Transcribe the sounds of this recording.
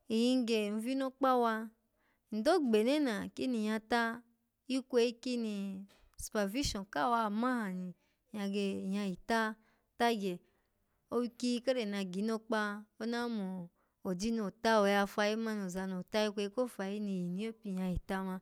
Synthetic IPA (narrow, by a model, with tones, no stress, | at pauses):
i˨jĩ˧ŋ˦ɡe˨n̩˧˦vi˦no˦k͡pa˦wa˧˨ | n̩˨do˦ɡ͡be˨ne˦na˨ki˦ni˨jã˧ta˦ | i˦kʷe˧i˦ki˦ni˧ | su̥˨pa˨vi˦ʃɔ̃˨ka˦˨wa˧˨mã˦ha˨ni˨ | jã˧ɡe˧˨ja˧ji˨ta˦ | ta˦ɡɛ˨ | o˦wi˦˧ki˦˧˦ka˦ɾe˨na˧ɡi˨˦no˧k͡pa˦o˦na˦mo˨ | o˨di˦no˨ta˦o˧ja˧fa˧ji˦ma˦no˨za˨˧no˨ta˦ji˦kʷe˧i˦ko˦fa˧ji˦ni˧˨ji˨nĩ˨˦o˦pi˧˨ja˧ji˨ta˦mã˧